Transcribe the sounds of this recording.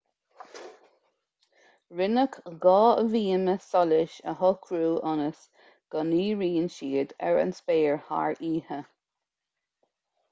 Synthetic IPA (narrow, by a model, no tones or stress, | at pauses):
ɹɪnəkɡɑːəviːməsɔlɪʃə̰ɦɔkʰɾuːʔɔnəs | ɡ̥ɔniːɹiːnʃiːd̪ɛ̰ɹə̰nspeːɹha̰ɹiːhə